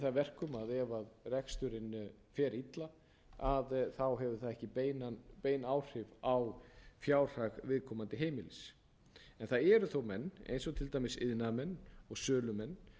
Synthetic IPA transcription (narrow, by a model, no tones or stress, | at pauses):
θaðvɛr̥kʏmaðɛvaðrɛkst̪ʏɾɪn | fjɛːɾit̪la | aðθawɦɛvʏθaðɛhcɪpejnanpeːjnaːwr̥ɪvawfjaːwr̥aɣvɪðkʰɔmant̪ɪɦeːjmɪlɪs | ɛnθaðɛɾʏθowmɛnːḛjnsɔt̪ʰɪlt̪ajmɪsɪðnamɛnːɔɣsœːlʏmɛnː